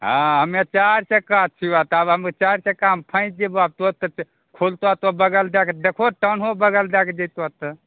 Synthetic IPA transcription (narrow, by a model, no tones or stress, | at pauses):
ɦãɦəmet͡ʃaɾsẽkat͡ʃʰiʋat̪abɦəmet͡ʃaɾsẽkampʰə̃ɪ̃t͡ʃd͡ʒebab̚t̪ot̪ə | kʰolt̪at̪abəɡəld̪ekʰd̪ekʰoʈənɦobəɡəld̪ɛkʰd͡ʒɛt̪at̪ə